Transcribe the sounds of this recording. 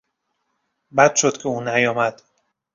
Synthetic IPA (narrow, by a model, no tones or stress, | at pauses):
bæd̪ʃod̪̥cʲʰeuːnæjɒːmæd̪̥